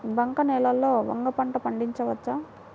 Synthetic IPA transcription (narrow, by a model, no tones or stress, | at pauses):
bɐŋkɐnɛːlɐlːoːʋɐ̰ŋɡɐpɐɳʈɐpɐɳɖiɲt͡ʃɐʋɐt͡ʃːa